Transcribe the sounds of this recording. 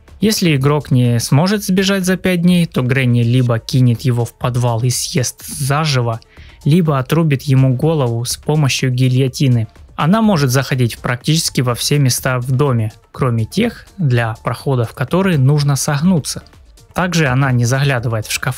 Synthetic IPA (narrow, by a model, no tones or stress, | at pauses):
jesʲlʲɪɪɡɾo̞knʲɪsmo̞ʐɨt̪zbʲɪʐatʲzɐpʲæt̚d̪ʲnʲejt̪o̞ɡɾɛnʲɪlʲibəkʲinʲɪt̪jɪvo̞fpɐd̪valˠɪsʲje̞st̪zaʐɨvə | lʲibəɐt̪ɾubʲɪt̪jɪmuɡo̞lˠəvʊspo̞məɕjʊɡʲɪlʲjɐtʲinɨɐn̪amo̞ʐɨt̪zəxɐdʲitʲpɾɐk̚tʲit͡ɕɪ̥skʲɪvɐfsʲe̞mʲɪst̪avd̪o̞mʲɪ | kɾo̞mʲɪtʲe̞xd̪lʲɐpɾɐxo̞d̪əfkɐt̪o̞ɾɨjnuʐnəsɐɣnut̪sə̥ | t̪aɡʐɨɐnanʲɪzɐɣlʲad̪ɨvəjɪt̪fʂkɐf